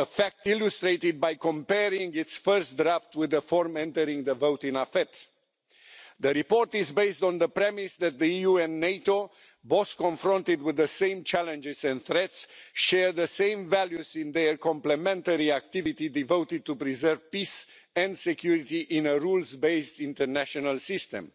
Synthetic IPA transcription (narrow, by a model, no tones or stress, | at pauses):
əfæk̚t̪ilust̪ɾeɪt̪ɪd̪̚bajkɔ̃mpɛɾĩŋɡit̪sfəɹstdɾaft̪wɪðəfɔɹmɛ̃nt̪əɾĩŋɡðəvowt̪ĩnafɛt̪ | ðəɾipɔɹt̪izbeɪst̪ɔ̃nðəpɾɛmisðæt̪̚ðəjuɛ̃nːeɪt̪o | boskɔ̃nfɾɔ̃nt̪ɪd̪wiðəsẽɪ̃mt͡ʃælɛ̃nd͡ʒɪzɛ̃nθɾɛt̪sʃɛɹðəsẽɪ̃ɱvæljuzĩnðəɹkɔ̃mplɛmɛ̃nt̪əɹiak̚t̪ivit̪id̪ivowt̪ɪd̪̚t̪upɾizəɾvpisɛ̃nd̪sɛkjuɾit̪iʔĩnəɹulzbeɪst̪ĩnt̪əɹnæʃɔnəlsɪst̪ɛ̰̃m